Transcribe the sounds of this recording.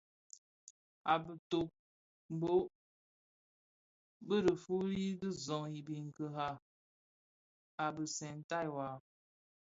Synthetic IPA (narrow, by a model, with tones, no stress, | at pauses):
a˨bə˨to˨k̚ | m˨bo˦ | bə˦ɾə˨fu˦ɾi˦di˦zɔ̃˨ŋi˨bi˨ŋ˨kə˨ɦa˦˨ | a˨bə˨sɛ˨n˦ta˦˨jwa˨